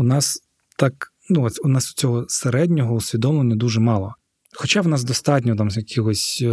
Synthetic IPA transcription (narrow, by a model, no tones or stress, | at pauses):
unɑs | t̪ɑk | nuunɑsʊ̥t͡sʲɔɦɔseɾɛdʲnʲɔɦɔusʲʋʲid̪ɔmlˠenʲːɐd̪uʒɛmɑlˠɔ | xɔt͡ʃɑwnɑsd̪ɔst̪ɑt̬ʲnʲɔt̪̬ɑmjɐkʲʰiɣɔsʲ